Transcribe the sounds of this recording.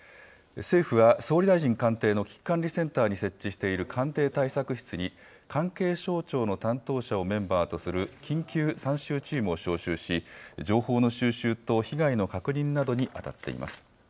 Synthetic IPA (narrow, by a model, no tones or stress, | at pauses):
se̞ːɸɯ̟βaso̞ːɾʲid̪aiʑĩŋkãnt̪e̞ːno̞kʲi̥kːãnɾʲisẽ̞nt̪aːɲ̟ise̞t͡ɕːiɕi̥t̪e̞iɾɯ̟kʰãnt̪e̞ːt̪aisakɯ̟çi̥t͡sɨɲ̟i | kʰãŋke̞ːɕo̞ːt͡ɕo̞ːno̞t̪ãnt̪o̞ːɕao̞mẽ̞mbaːt̪o̞sɨɾɯ̟kʲʰĩŋkʲɨːsãɰ̃ɕɨːt͡ɕiːmɯ̟o̞ɕo̞ːɕɨːɕid͡ʑo̞ːho̞ːno̞ɕɨːɕɨːt̪o̞çiɡaino̞kakɯ̟ɲ̟ĩnnːad̪o̞ɲ̟iʔa̰t̪a̰t̪ːe̞̰ḭma̰sɨ̥